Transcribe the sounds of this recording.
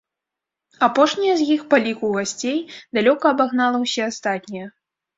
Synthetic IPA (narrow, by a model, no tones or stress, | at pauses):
apɔʂnʲijɐzjixpalʲikuɣasʲt͡sʲejd̪alʲɔkɐːbaɣnalˠɐwsʲɛast̪at̪ʲnʲijɐ